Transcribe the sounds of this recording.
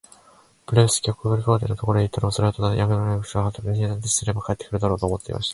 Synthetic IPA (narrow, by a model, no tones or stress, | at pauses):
pɯ̟ɾeɯsɨ̥kʲakːɯobɯ̟ɾʲikat̪enot̪o̞ko̞ɾo̞d̪eit̪ːanomsoɾat̪onajaɡɯnonekɕiaat̪abeɲʲinat̪eɕi̥sɨɾe̞bakʰaet̪ːekɯɾɯ̟d̪aɾo̞ːt̪oːmo̞t̪ːe̞ḭma̰ɕi̥t̪ḁ